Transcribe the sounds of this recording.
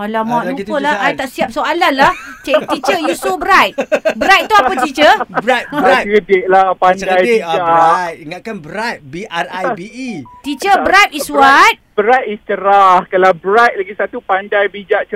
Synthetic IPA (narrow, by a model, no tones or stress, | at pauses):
alamaʔlukəlahajt̪aʔsiap̚soalanlaht͡ʃat̪it͡ʃəjusubəɾajt̪̚bəɾajt̚t̪ːuapət̪it͡ʃəb̚bakədɪʔ̚lahpandajid͡ʒaiŋaʔkanbəɾat̪̚biarajbit̪it͡ʃəbəɾat̪isuat̪̚bəɾat̪̚ist͡ʃəɾahkalabəɾat̪̚laɡisat̪upandajbid͡ʒaʔt͡ʃə